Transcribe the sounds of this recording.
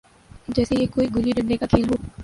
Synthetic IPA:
d͡ʒɛːsejekoːiɡʱʊliɖə̃ɳɖekakʰeːlɦoː

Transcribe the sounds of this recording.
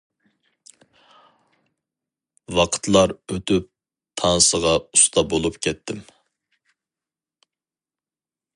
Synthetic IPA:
wɑqʰə̥t̪ʰlˠɑɾøt̪ʰyp̚ | t̪ʰɑnsəʁɑust̪ɑbolˠupkʲʰɛt̪ʰːɪm

